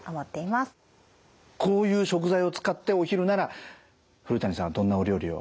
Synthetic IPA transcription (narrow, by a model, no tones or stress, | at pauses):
amat̪ːe̞imasɨ̥ | kʰo̞ːjɯ̟ːɕo̞k̬ɯ̟zaio̞t͡sɨ̥kat̪ːe̞o̞çiɾɯ̟naɾa | ɸɯ̟ɾɯ̟t̪aɲʲisãad̪õ̞nːaoɾʲo̞ːɾʲio̰